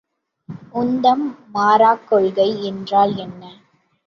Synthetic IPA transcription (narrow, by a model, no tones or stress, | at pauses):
ʊnd̪ɐmːaːɾaːkːɔɭɣɐɪɛndraːlɛnːɐ